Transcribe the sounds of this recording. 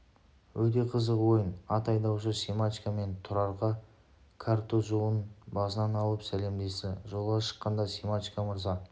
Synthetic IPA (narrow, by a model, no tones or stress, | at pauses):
wɵt̪e̞qʰəzəqwo̞jənɑt̪ɑjd̪ɑwʃəsemat̪ʲikame̞nt̪ʰʊɾɑɾʁɑ | kʰart̪oʒuwənbɑsənɑnɑlˠəpsæle̞md̪e̞sɪʒo̞lˠʁɑʃə̥qːɑnd̪ɑsʲemat̪ʲikaməɾzɑ